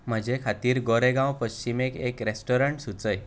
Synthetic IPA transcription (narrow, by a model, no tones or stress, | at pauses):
m̤əd͡ʑekʰat̪iːɾɡɔɾeɡãwpəɕt͡ɕimekekɾesʈɔɾəɳʈsut͡səj